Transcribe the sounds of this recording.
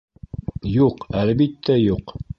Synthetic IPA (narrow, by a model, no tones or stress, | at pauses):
juqælbit̪ːæjuq